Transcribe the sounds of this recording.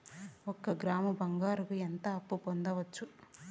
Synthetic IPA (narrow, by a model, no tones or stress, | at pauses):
ɔkɐɡɾaːmɐbʱɐŋɡaːɾukuent̪ɐːpːupond̪ɐʋɐt͡ʃːu